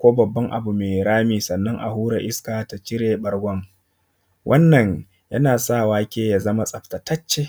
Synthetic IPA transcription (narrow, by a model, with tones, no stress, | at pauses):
kʷoː˦bɐ˨bːɐ˦ŋʔa̰˨bu˨meː˨ɾaː˦miː˨sɐ˨nːɐ˦ŋʔa̰˨ɦuː˦ɽa˨ʔɪ˦skaː˨ta˨t͡ʃɪ˦ɾeː˨bɐ˦rɡʷɐ˦ŋ | wʔɐ˦nːɐ˨ɲ | jɐ˦naː˨saː˦˨waː˦kʲeː˦ja˨zɐ˦ma˦sʼɐ˨ɸta˨tɐ˦t͡ʃːe˦